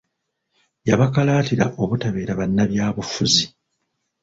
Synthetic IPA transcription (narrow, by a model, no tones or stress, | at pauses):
jaβakalaːtiɾaʔo̞βutaβe̞ːɾaβanːaβjaːβufuzi